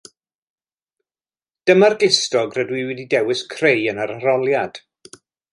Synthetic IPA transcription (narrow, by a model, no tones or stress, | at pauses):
d̥əmarɡɪstɔɡrədwiwɛdidɛwɪskʰrejənaɾaɾɔlˠjad̥